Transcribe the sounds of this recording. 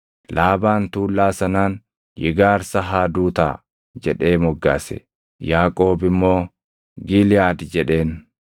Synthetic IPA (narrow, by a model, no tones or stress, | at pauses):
laːbaːnt̪uːlːaːsɐnaːn | jɪ̰ɡaːɾsɐɦaːd̪uːt̪a̰ː | d͡ʒɛᶑe̞ːmɔɡːa̰ːsɛ̰ | jaːkʼo̞ːbɪmːo̞ː | ɡɪlɪjaːd̪d͡ʒɛᶑe̞ːn